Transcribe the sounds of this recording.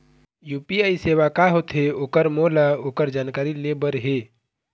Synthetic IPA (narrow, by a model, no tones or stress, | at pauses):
juːpiaːiseːwakaɦot̪ɦeoːkəɾmoːlaoːkəɾd͡ʒaːnkaːɾilebəɾɦe